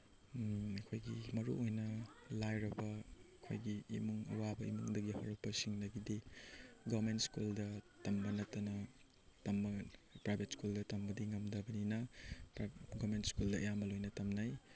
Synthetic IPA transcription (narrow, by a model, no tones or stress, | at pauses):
ɐkʰojɡimɐɾṵojnɐlajɾɐbɐɐkʰo̰jɡḭːmuŋɐ̰wabɐimuŋdɐɡihɐɾɐk̚pɐsiŋnɐɡidiɡamentskuldɐtɐmbɐnɐtːɐnɐ | tɐmbɐpɾajbʱetskuldɐtɐmbɐdiŋɐmdɐbɐninɐ | ɡamentskuldɐɐjamɐlojnɐtɐmnaj